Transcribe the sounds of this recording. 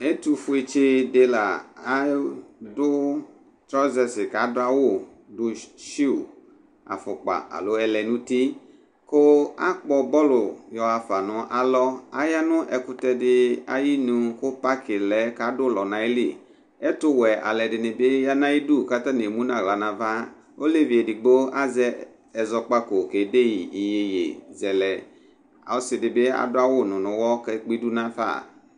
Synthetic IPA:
e˦t̪u˦fʊ˦e˨t͡ʃɪ˦dɪ˧la˨a˦dʊ˦ | tɾɔ˦zɛ˨sɪ˨ka˨˦dʊ˦a˦wo˦˨ | dʊ˨ʃi˦u˨ | a̰˨fʊ˨k͡pa̰˨a̰˨lo˨˦ɛ˧lɛ˨nũ˦ti˦ | ko˦a̰˦k͡pɔ˦bɔ˦lʊ˨jɔ˨a˨fa˨nʊ̃˦ʔa˨lɔ˦a˦ja˦nʊ̃˦ʔɛ˨kʊ˦t̪ɛ˧dɪ˦a̰˦ji˦nũ˨kʊ˦pa˦kʰɪ˨lɛ˦ka˨˦dʊ˦˨lɔ˨nã˨e˦lḭ˦˨ | ɛ˦tʊ˦wɛ˨ʔa̰˨lɛ˨dɪ˨nɪ˨bɪ˦ja˦nã˦i˦du˦˨ka˦ta˦ne˨mũ˦nã˨ɣla˨nã˨va˦ | o˦le˦vi˨e˨dɪ˨ɡ͡bo˦a˦zɛ˦ | ɛ˨zɔ˨k͡pa˦ko˨ke˨˦de˦ji˨i˨je˨jḛ˨zɛ˨lɛ˨ | a˨ɔ˦sɪ˨dɪ˨bɪ˦a̰˨dʊ˦a˦wʊ˦nʊ̃˨nʊ̃˨wɔ˦kɛ˦k͡pi˦du˦nã˦fa̰˦˨

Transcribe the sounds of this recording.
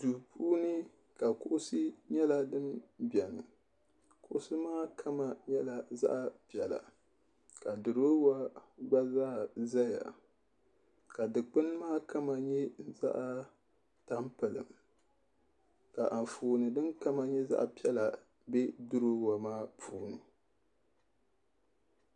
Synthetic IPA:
du˨puː˦nɨ˦ | ka˨kʊ˦ʔʊ˦sɨ˦ɲɛ˦la˦dɨ˦nbɛ˨nɨ̰˨ | kʊ˦ʔʊ˦sɨ˦maː˦kʰa˦ma˨ɲɛ˦la˨za̰˦ʔpi˨ɛ˨la̰˨ | ka˨dɨ˨ɾo˦wa˦ɡ͡ba˦zaː˦˨za˦ja̰˨ | ka˨dɨ˨k͡pɨ˦n˦maː˦ka˦ma˨ɲɛ˦za̰˦ʔa˦ | ta˦mpɨ˨lɨ̰˨m | ka˨ʔa˨ɱ˨fuː˨nɨ˨dɨ˦nka˦ma˨ɲɛ˦za̰˦ʔpi˦ɛ˦la˨ | bɛ˦dɨ˦ɾo˦wa˨maː˦pʰuː˦nɨ˨

